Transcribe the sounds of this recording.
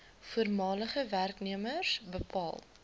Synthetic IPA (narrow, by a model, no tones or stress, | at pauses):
fuərmɑːləχəværkniəmərsbəpɑːlˠ